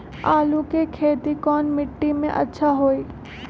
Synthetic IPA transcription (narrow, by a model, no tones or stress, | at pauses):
aːlũkekʰeːt̪ikɔːnmɪʈːimḛ̃ʔɐ̰tːʃʰaɦoːeː